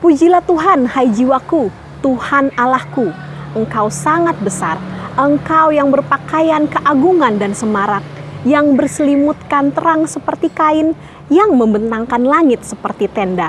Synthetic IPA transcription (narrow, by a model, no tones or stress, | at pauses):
pud͡ʒilaht̪uɦanhajd͡ʒiwaku | t̪uhanalahkuʔəŋkawsaŋat̪̚bəsarəŋkawjaŋbərpakajankəʔaɡuŋandansəmaɾak̚jaŋbərsəlimut̪̚kant̪əɾaŋsəpərt̪ikaɪn | jaŋməmbənt̪aŋkanlaŋɪt̪̚səpərt̪it̪ɛnda